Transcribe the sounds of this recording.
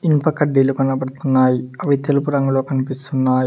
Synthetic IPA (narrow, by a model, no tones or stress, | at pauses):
inpɐkːɐɖːilukɐɳːɐpːɐɽt̪ːunːaːjiɐʋit̪jɐlupuɾɐŋɡɐlokːɐnipist̪unːaːji